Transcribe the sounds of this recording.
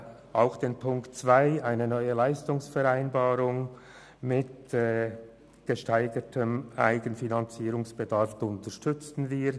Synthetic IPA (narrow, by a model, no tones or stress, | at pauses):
ʔaʊxd̥eːnpʰʊŋktt͡sv̥aɪaɪnənɔʏəlaɪstʊŋsfɛɾaɪnbaːɾʊŋ | mɪtː | ɡ̥əʃtaɪɡətʰəmʔa̰ɪɡənfinant͡siːɾʊŋsb̥ədaɾftʊntəʃtʏt͡stn̩viːɾ